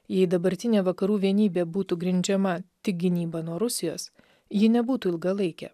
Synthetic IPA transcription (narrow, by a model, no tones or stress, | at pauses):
jɛɪd̪ɐbɐɾʲt̪ʲɪnʲeːʋɐkɐɾuːʋʲiɛnʲiːbʲeːbuːt̪uːɡɾʲɪnʲd͡ʒʲɛmɐt̪ʲɪk̚ɡʲɪnʲiːbɐnuɔɾʊsʲɪjoːs | jɪnʲɛbuːt̪uːɪlˠɡɐlˠɐɪkʲɛ̰ː